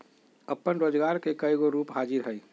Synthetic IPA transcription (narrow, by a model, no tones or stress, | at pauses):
əpːənɾoːd͡ʒɡaɾkekəjɡoɾuːpɦad͡ʒiɾɦəj